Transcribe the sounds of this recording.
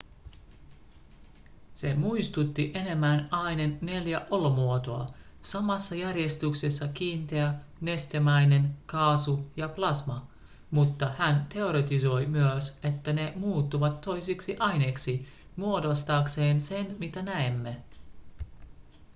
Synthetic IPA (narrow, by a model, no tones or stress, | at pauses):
se̞muist̪ut̪ːiʔe̞ne̞mːænɑinenːe̞ljæʔo̞lo̞muot̪oɑ̰ | sɑmɑsːɑjærje̞st̪uksesːɑkiːnt̪eæne̞st̪emæjne̞nkɑːsujɑplɑsmɑ | mut̪ːɑhænt̪e̞o̞ɾet̪iso̞jmyøse̞t̪ːæne̞muːt̪ːuʋɑt̪ːo̞jsiksiʔɑjne̞ːksi | muo̞do̞st̪ɑːkse̞ːnse̞nmit̪ænæemːe̞